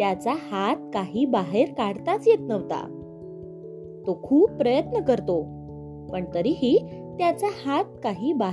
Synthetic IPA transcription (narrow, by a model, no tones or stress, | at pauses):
t̪jat͡sahat̪̚kaɦiːbaɦeɾkaɽt̪at͡sjet̪nəʋt̪a̰ | t̪okʰuːpːɾəjət̪nəkəɾt̪o | pəɳt̪əɾiːɦiː | t̪jat͡sahat̪̚kaɦiːba